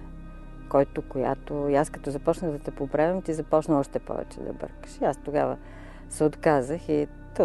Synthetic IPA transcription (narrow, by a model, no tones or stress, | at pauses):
kɔjt̪okoja̰t̪oiaskɐt̪ɔzɐpɔt͡ʃnəɣd̪ɐt̪ɛpopɾavʲɐmt̪izɐpɔt͡ʃnɐɔʃt̪ɛpɔ̰vɛ̰t͡ʃɛ̰d̪ɐ̰bɤ̰ɾkə̥ʃiast̪oɡavə | sɛot̪kazəxi | t̪o